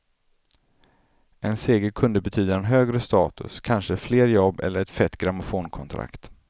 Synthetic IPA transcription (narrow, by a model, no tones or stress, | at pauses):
ʔɛnseːɡəɾkʰɵnd̪əbɛt̪ʰyːd̪aɛnɦøːɡɾəst̪ɑːt̪ɵ̰skʰanʂəfleːɾjɔbːɛ̰lːəɾɛt̪fɛt̪ːɡɾamʊfoːnkʰɔnt̪ʰɾa̰kt̪